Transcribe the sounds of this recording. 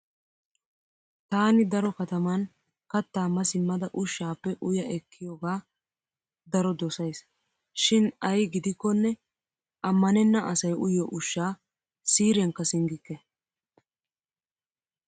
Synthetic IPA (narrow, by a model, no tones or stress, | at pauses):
t̪aːnɪd̪ɐɾɔkɐt̪ɐmɐn | kɐt̪ːaːmɐsɪmːɐd̪ɐʔʊʃːaːpːɛʔʊjɐʔɛkːɪjoːɡaː | d̪ɐɾɔd̪ɔsɐjs | ʃɪnɐjɡɪd̪ɪkːɔnːɛ | ʔɐmːɐnɛnːɐʔɐsɐjʔʊjɔʔʊʃːaː | siːɾɛŋkːɐsɪŋɡɪkːɛ